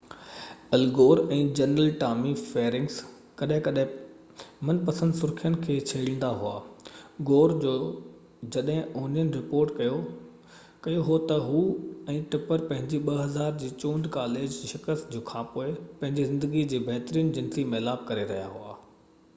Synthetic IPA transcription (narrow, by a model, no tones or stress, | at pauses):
ɐlɡoːɾɛ̃ːd͡ʑɐnəlʈaːmifeːɾɪ̃ŋɡs | kɐɗɦɪ̃kɐɗɦɪ̃ | mɐnpɐsə̃nd̪sʊɾkʰijənɪ̆kʰeːt͡ɕʰɐːɽĩːn̆d̪aɦʊa̰ːɡoːɾd͡ʑoː | d͡ʑɐɗɦɪ̃oːnijənɪ̆ɾɪpoːɾʈkɐjo | kɐjoɦʊot̪ɐɦuɛ̃ːʈɪpəɾpɐ̃ɦɪ̃ɲd͡ʑiɓɐɦɐzaːɾd͡ʑiːt͡ɕõːnd̪kaːleːd͡ʑʃɪkəst̪d͡ʑoːkʰãːpoːɪpɐ̃ɦɪ̃ɲd͡ʑizɪ̃nd̪əɡid͡ʑeːbʱɛɦt̪ɾiːnd͡ʑɪ̃nsimelaːb̚kɐɾeɾɐɦijaɦua̰ː